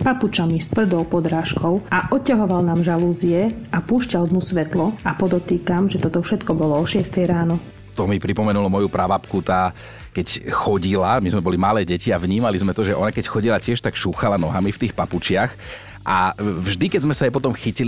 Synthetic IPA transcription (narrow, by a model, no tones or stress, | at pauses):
paput͡ʃamist̪ʋr̩d̪ɔlpɔd̪ɾaːʃkɔʊaʔɔcːaɦɔʋalnaːmʒaluːziɛʔapuːʃcald̪musʋɛt̪lɔapɔd̪ɔt̪iːkamʒɛt̪ɔt̪ɔfʃɛt̪kɔbɔlɔɔʃɪɛst̪ɛjɾaːnɔ | t̪ɔmipɾipɔmɛnulɔmɔjupɾaʋapkut̪aː | kɛcxɔɟilamizmɛbɔlimalɛːɟɛciavɲiːmalizmɛt̪ɔʒɛʔɔnakɛcxɔɟilacɪɛʃt̪akʃuːxalanɔɦamift̪iːxpaput͡ʃɪax | ʔavʒd̪ikɛzmɛsaajpɔt̪ɔmxicili